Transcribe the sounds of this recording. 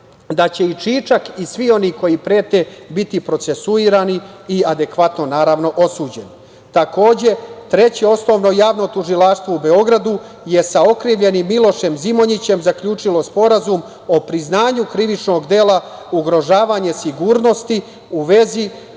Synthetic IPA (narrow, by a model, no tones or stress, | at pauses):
d̪at͡ɕe̞it͡ʂiːt͡ʃakisʋio̞niːko̞jipɾeːt̪e̞bit̪ipɾo̞t̪se̞suiːɾaːniiad̪e̞kʋat̪no̞naːɾaʋno̞ʔo̞suːd͡ʑe̞n | t̪ako̞ːd͡ʑe̞t̪ɾe̞t͡ɕeo̞sno̞ʋno̞jaːʋno̞t̪uʒilaʃst̪ʋoube̞o̞ɡɾad̪u | je̞sao̞kɾiːʋʎe̞nimːilo̞ʃe̞mzimo̞ɲit͡ɕe̞mzakʎuːt͡ʂilo̞spo̞ɾazum | o̞pɾiznaːɲukɾiʋit͡ʃno̞ɡd̪e̞ːlauɡɾo̞ʒaːʋaːɲe̞siɡuːɾno̞st̪i | uʋe̞zi